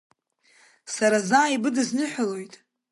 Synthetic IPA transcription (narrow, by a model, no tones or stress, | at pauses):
saɾazaːibɨdɨznɨħʷalojtʼ